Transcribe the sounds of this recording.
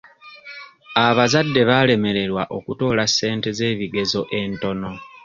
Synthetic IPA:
aβazadːe̞βale̞me̞ɾe̞ɾwaʔo̞kuto̞ːlasːe̞ːnte̞ze̞ːβiɡe̞zo̞ʔe̞nto̞no̞

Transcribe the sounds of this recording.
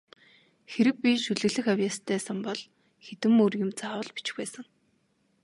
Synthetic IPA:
xeɾɘ̆k̚pʲiʃuɮɘ̆ɣɮɘ̆xawjaːst̪ʰæːsə̆mpɔɮ | xet̪ɘ̆morjʊ̆mt͡saːwə̆ɮpi̥t͡ɕxpæːsə̆ŋ

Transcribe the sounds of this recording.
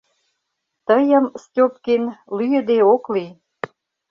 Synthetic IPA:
t̪əjə̆mstʲop̚kenlyjə̆d̪eokli

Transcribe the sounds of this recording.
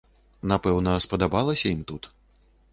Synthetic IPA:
napɛwnɐspɐd̪abalˠɐsʲɐimt̪ut̪

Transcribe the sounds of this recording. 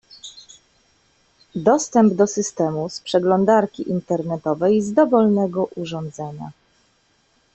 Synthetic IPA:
d̪ɔst̪ɛmbd̪ɔsɘst̪ɛmuspʂɛɡlɔnd̪aɾkʲiʔint̪ɛɾnɛt̪ɔvɛjzd̪ɔvɔlnɛɡɔʔuʐɔnd̪zɛɲa̰

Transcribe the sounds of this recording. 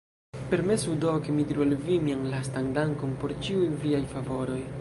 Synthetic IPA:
pe̞ɾme̞sudo̞kemidiɾualvimianlastaŋdaŋkompo̞ɾt͡ʃiujviajfavo̞ɾo̞j

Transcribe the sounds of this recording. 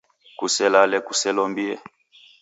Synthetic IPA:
kusɛlalɛkusɛlɔmbiɛ

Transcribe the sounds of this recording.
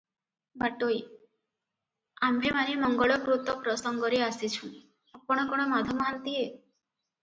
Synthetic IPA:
baʈoj | amɾimanimɔŋɡɔɭɔkɾut̪ɔpɾɔsɔŋɡɔɾeasit͡ʃʰũi | apɔɽ̃ɔkɔɽ̃ɔmad̪ʱɔmant̪ie

